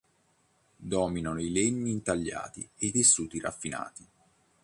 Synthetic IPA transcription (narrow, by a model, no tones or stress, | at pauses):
d̪ɔːminanoileɲːiːnt̪aʎːa̰ːt̪ḭeit̪esːuːt̪ira̰fːina̰ːt̪i